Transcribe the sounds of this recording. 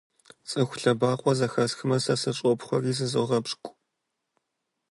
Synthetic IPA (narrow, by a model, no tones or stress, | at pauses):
t͡sʼɨxʷʊɬɐbaːqʷʼɔzɐxɐsxɨmɐsɐsɐɕʼɔpχʷɔriːzɨzɨ̰ʁɐbʂkʷʼ